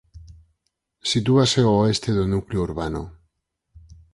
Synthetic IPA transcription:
sit̪uaseoest̪eðonukleouɾβano

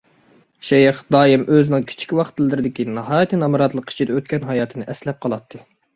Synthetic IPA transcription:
ʃɛjɪχd̪ɑːimʔøzɪnɪŋkʲʰi̥t͡ʃʰi̥kʲwɑχt̪ʰːɨlˠɨːɪɾɪd̪ɪkʲinɑɦɑːjt̪ʰɨnɑmɨɾɑt̪lˠəqʰi̥t͡ʃʰid̪ɛøt̪̚kʲɛnɦɑjɑːt̪ʰɨnɨʔɛslɛp̚qʰɑlˠɑt̪ʰːɨ

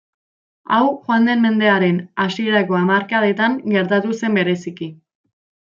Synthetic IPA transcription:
a̰wxwand̪e̞nme̞nd̪e̞aɾe̞nasieɾako̞amaɾkaðe̞t̪aŋɡe̞ɾt̪at̪use̞mbe̞ɾe̞siki

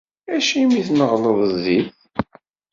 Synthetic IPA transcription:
æʃimiθnəʁləðˤziθ

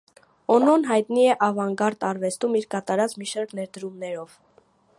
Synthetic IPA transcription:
ɔnɔnɦɑjt̪niɛʔɑvɑŋɡɑɾt̪ɑɾvɛst̪umiɾkɑt̪ɑɾɑt͡smiʃɑɾknɛɾd̪əɾumnɛɾɔv̥

